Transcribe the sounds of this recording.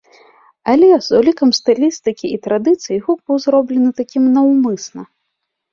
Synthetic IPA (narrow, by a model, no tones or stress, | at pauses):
alʲɛzulʲikɐmst̪ɨlʲist̪ɨkʲiit̪ɾad̪ɨt̪sɨjiɣɔk̚bɨwzɾɔblʲɛnɨt̪akʲimnɐwmɨsnɐ̰